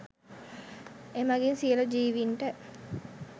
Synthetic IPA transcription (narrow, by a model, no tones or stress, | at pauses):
emaɡinsiəlod͡ʒiːʋiɳʈə